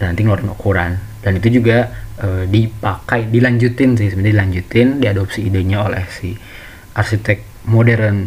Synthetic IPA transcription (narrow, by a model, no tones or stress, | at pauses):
danant̪iŋloɾɪnokuɾan | danit̪ud͡ʒuɡaədipakajdilaɲd͡ʒut̪ɪnsɪhsəmənadilaɲd͡ʒut̪ɪndiadopsiːdeɲaolɛ̰hsɪh | ʔarsit̪ɛk̚ | modɛɾən